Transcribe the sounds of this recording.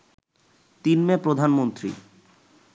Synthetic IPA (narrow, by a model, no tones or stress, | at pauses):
t̪inmepɾod̪ʱanmont̪ɾḭ